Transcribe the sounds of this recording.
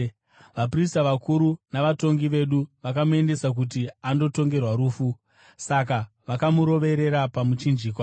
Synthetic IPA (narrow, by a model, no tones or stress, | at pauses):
ʋap̬ristaʋakuɾunaʋato̞ŋɡiʋe̞ɗuʋakamue̞nde̞sak̬ut̬iando̞to̞ŋɡe̞rwaɾuːfu | saka | ʋakamuɾo̞ʋe̞ɾe̞ɾapamut͡ʃind͡ʒiːkwa